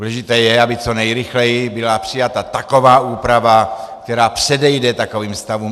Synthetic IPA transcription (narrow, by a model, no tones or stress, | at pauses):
uːlɛʒɪt̪ɛːjɛabɪt͡so̞nɛjɾɪxlɛjɪbɪlapr̥ɪjat̪at̪ako̞vaːuːpɾavakkt̪ɛɾaːpr̝̥ɛdɛjdɛt̪ako̞viːmst̪avuːm